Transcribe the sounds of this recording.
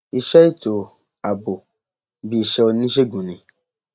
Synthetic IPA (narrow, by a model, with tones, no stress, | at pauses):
i˨ʃɛ˦i˦to˨ | a˨bo˨ | bi˨ʃɛ˦o˨nĩ˦ʃ̬e˦ɡũ˨nĩ˨